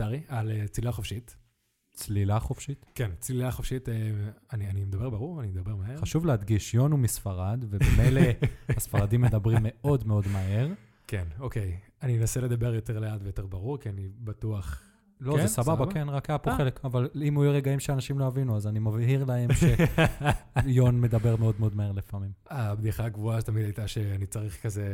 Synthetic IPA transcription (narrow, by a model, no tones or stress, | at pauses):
saʁialet͡slilaχo̞fʃit̪ | t͡slilaχo̞fʃit̪kent͡slilaχo̞fʃiteanianimed̪abe̞ʁbaʁuʁanimed̪abe̞ʁmaeʁaʃuvlehad̪ɡiʃjo̞numisfaʁad̪veemejlehasfaʁadimːed̪abʁimːe̞o̞dmeo̞d̪mae̞ʁ | kenokej | anienasele̞d̪abe̞ʁjo̞te̞ʁleat̪vejot̪e̞ʁbaʁuʁkianibat̪uaχ | lozesababakenʁakapoχelekavalimujuʁe̞ɡaimʃeanaʃimloavinuazanimavhiʁlahe̞mʃe | jo̞nme̞d̪abe̞ʁmeo̞d̪meo̞d̪mae̞ʁlifamimabd̪iχaɡvuatamid̪ajt̪aʃeanit͡saʁiχkaze